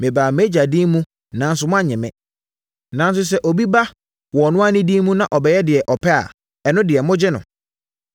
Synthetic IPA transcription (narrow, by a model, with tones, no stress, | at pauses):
mɪ̃˨baː˨me˦d͡ʑa˨di˦mũ˦ | nã˨˦n˦sʊ˨˦mʊ̃˦a˦˨ɲɛ̃˨mɛ̰̃˦ | nã˨n˦s̬ʊ˦s̬ɛ˦ʔo˨bi˦ba˦ | wɔ˨nʊ̃˦a˦nɪ̃˦di˦mũ˦nã˨ʔɔ˨bɛ˦jɛ˦dɪ˨ɛ˨ʔɔ˨pʰɛ˦a̰˨ | ɛ˨nʊ̃˦dɪ˨ɛ˨mʊ̃˦d͡ʑɪ˦nʊ̰̃˨